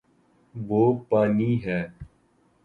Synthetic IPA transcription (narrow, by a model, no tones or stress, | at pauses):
ʋoːpaːniːɦɛː